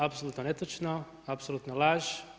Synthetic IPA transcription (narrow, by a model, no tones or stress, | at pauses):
apsolut̪nonet̪ot͡ʃno | apsolˠuːt̪nolaːʒ